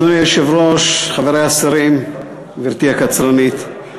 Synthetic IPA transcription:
onieʃevɾoʃχaveɾejasaɾim | viɾt̪iakat͡sɾanit̪

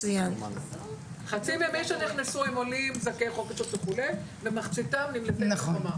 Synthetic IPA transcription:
ujan | χat͡sivjamimʃeniχnesuimolimzakeχoket͡ʃot̪veχulej | vemaχt͡sitamnimlet̪enaama

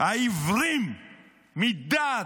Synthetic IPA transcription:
aivɾimi | mid̪a

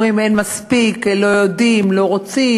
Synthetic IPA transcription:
ʁimenmaspiklo̞jodimlo̞ʁot͡si

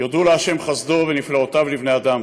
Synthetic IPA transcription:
jod̪uleaʃe̞mχazd̪ovenifleot̪avlivne̞ad̪am

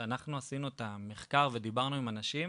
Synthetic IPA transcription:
anaχnuasinuetameχkaʁve̞d̪ibaʁnuimanaʃim

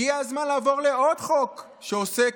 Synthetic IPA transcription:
iazmanlaːvo̞ʁle̞o̞dχo̞k | ʃeose

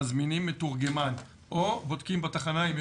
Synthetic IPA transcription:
zminimːetuʁɡe̞man | ʔobod̪kimbat̪aχanaim

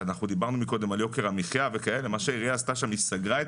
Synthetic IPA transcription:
anaχnud̪ibaʁnumiko̞d̪e̞maljo̞keʁamiχjavekae̞lemaʃeiʁijaːst̪aʃamist̪aɡʁae

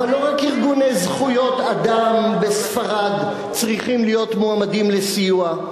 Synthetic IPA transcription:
alːo̞ʁakiʁɡunejzχujo̞t̪ad̪ambesfaʁad̪ | t͡sʁiχimlijo̞t̪moamadimle̞sijua

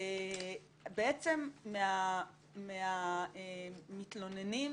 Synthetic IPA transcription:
beet͡semːea | meaemit̪lo̞neni

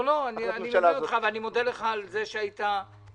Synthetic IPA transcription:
loanianiɛot̪χaveanimo̞d̪eleχaːlzeʃeajit̪a

